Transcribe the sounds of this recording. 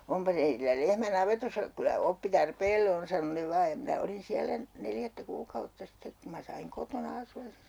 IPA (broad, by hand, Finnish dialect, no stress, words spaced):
ompɑ teitilːæ lehmæ nɑʋetosːɑ kylæ opːi tɑrpeːlːe on sɑno ne ʋɑːj jɑ minæ olin siælæ neljætːæ kuːkɑutːɑ sitːek ku mɑ sɑiŋ kotonɑ ɑsuɑs se